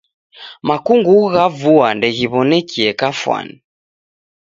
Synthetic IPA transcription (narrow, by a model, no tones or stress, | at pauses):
makuŋɡuɣavuandɛɣiβɔnɛkiɛkafwa̰ni